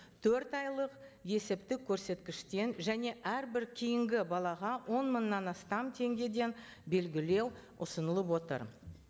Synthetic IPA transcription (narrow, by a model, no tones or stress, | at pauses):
t̪ʰɵɾt̪ɑjlˠəqje̞sɪp̚t̪ɪkʲʰːɵɾse̞t̪kʲɪʃt̪e̞nʒæne̞ʔæɾbɪɾkʲʰijɪŋɡʲɪbɑlˠɑʁɑwo̞nmənːɑnɑst̪ɑmt̪ʰe̞ŋɡʲe̞d̪e̞n | be̞lɡʲɪle̞w | ʊsənəlˠəp̬wo̞t̪ə̰ɾ